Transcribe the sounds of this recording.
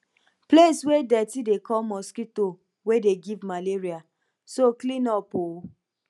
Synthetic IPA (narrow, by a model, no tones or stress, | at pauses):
pleswedɛtidekʰɔmɔskito | wedeɡivmaleɾia | soklĩnɔpo